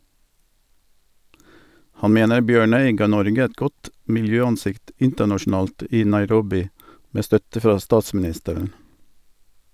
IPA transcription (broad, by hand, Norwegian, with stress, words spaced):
ˈhɑn ˈmeːnəɾ ˈbjøːˌɳœʏ ˈɡɑː ˈnɔɾɡə ˈɛt ˈɡɔt mɪlˈjøːɑnˌsɪkt ˈɪntənɑʃɳ̩ˌɑːlt ˈiː nɑɪˈɾɔbɪ ˈmeː ˈstœtə ˈfʁɑː ˈstɑːsmn̩ˌɪstəɾən